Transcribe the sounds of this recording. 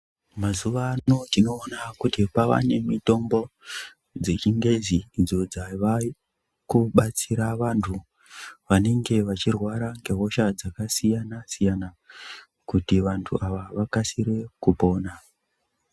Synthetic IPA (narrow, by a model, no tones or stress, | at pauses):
mazuʋanotino̞ːnakutipaʋa̰ne̞mito̞mbo̞ | d͡ze̞t͡ʃiŋɡe̞ziːd͡zo̞d͡zaʋa | kuɓat͡siɾaʋantʰu | ʋane̞ŋɡe̞ʋat͡ʃirwaɾaŋɡe̞ɦo̞ʃad͡zakasijanasijana | kutiʋantʰṵʔaʋaʋakasiɾe̞kupo̞ːna